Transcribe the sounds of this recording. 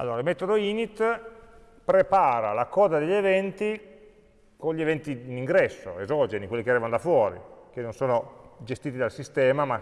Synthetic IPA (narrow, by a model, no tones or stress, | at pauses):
a̰lːoːɾaimet̪od̪oiːnit̪ | pɾepaːɾalakɔːd̪ad̪eʎːevɛnt̪i | konʎːievɛnt̪iːniŋɡɾɛsːo̰ezɔd͡ʒenikwelːikeaɾiːvanod̪afwɔːɾḭk̟enːonsoːnod͡ʒest̪iːt̪id̪alsist̪ɛːmama